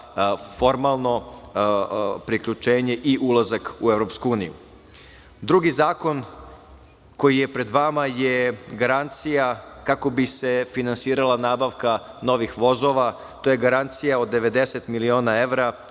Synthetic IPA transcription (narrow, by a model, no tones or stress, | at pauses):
fo̞ɾmalˠno̞ | pɾikʎut͡ʃe̞ːɲe̞ʔiʔulˠazakuevɾo̞pskuuːnijṵ | d̪ɾuɡizaːko̞n | ko̞jije̞pɾe̞d̪ʋamajeɡaɾant̪sijakako̞bise̞finansiːɾalˠanaːbaʋka | no̞ʋixʋo̞zo̞ʋa | t̪oje̞ɡaɾant̪sijaod̪ːe̞ʋe̞d̪eset̪milio̞ːnaeʋɾa